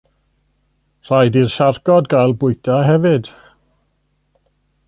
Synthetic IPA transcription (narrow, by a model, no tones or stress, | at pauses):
r̥ajdirʃarɡɔdɡajlˠbʊɨtʰaɦɛvɨd̥